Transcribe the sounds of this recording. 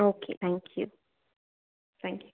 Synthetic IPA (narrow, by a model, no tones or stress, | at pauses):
okʰḛθæ̃ŋkʰjṵ | θæ̃ŋkʰj